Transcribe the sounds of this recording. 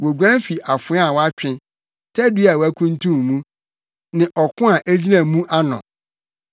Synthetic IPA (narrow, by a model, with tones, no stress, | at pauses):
wo˨ɡʷã˦n˦fi˨ʔa˨fʊ˨˦a˦˨wa˦t͡ɕᶣɪ̃˦ | tʰɛ˦du˦a˨wæ˦kʰũ˦n˦tʰũ˦m˨mũ˦ | nɪ̃˨ʔɔ˨kʰʊ̃˦a˨ʔæ˦d͡ʑi˦nã˨mũ˦ʔa˦nɔ̰̃˨